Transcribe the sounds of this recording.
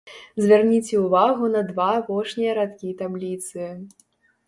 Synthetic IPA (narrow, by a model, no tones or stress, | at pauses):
zʲvʲarnʲit͡sʲɛuvaɣunɐd̪vaːpɔʂnʲijɐɾat̪kʲit̪ablʲit̪sɨ